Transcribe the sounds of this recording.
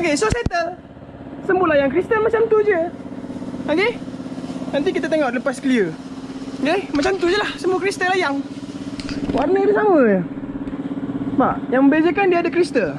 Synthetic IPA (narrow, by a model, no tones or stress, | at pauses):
okesoset̪əl | səmbulajaŋkɾist̪əlmat͡ʃamt̪ud͡ʒə | oke | nãnt̪̬ikit̪at̪eŋoʔləpaskəliə | kemat͡ʃamt̪ud͡ʒəlahsəmukɾist̪əlajaŋ | warnədəsamə | baʔjaŋmə̃bed͡ʒəkandiadakɾist̪əl